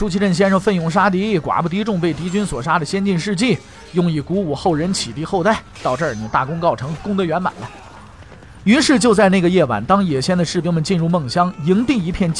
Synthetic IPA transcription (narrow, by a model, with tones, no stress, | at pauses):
ʂu˥t͡ɕʰi˥ʈ͡ʂə˥˩nɕ̬jɛ˥nʂɤ˧˩ŋfə˥˩njʊ˧˥˩ŋʂ̬a˥t̪̬i˧˥kwa̰˨˩pu˥˩t̪̬i˧˥ʈ͡ʂʊ˥˧ŋpe˥˩ɪt̪i˧˥t͡ɕy˥nswɔ˨˩ʂa˥d̪ə˨ɕjɛ˥nt͡ɕi˥˧nʂɻ̩˥˧t͡ɕi˥˩ | jʊ˥˧ŋi˧˩ku˧˥u˨˩xo˥˩ʊɻə˧˥nt͡ɕʰi˨˩t̪i˥˧xo˥˧ʊa˥˩ɪt̪ɑ˥˧ʊʈ͡ʂə˞˥˩ni˨˩t̪a̰˥˩kʊ˥ŋkɑ˥˩ʊʈ͡ʂʰɤ˧˥ŋkʊ˥ŋt̪ə˧ɥɛ˧˥nma̰˨˩nlə˦ | y˧˥nʂɻ̩˥˧t͡ɕjo˥˧ʊt͡sa˥˧ɪne˥˩ɡə˩jɛ˥˩wa̰˨˩nt̪ɑ˥ŋjɛ˨˩ɕjɛ˥nd̪ə˨ʂɻ̩˥˩pji˥nmə˨nt͡ɕi˥˧nɻu˥˧mɤ˥˩ŋɕjɑ˥ŋi˧˥ŋt̪i˥˩i˧˥pʰjɛ˥˧nt͡ɕ